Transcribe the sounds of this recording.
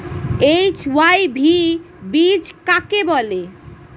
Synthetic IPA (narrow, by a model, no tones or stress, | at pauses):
ejt͡ɕwajbʱi | bid͡ʑkakebɔle